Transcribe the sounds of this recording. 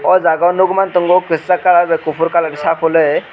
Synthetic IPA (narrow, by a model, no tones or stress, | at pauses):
ɔd͡zaɡawnuɡmant̪ɯŋɡokɯst͡sakalaɾbekupʰuɾkalaɽisapʰole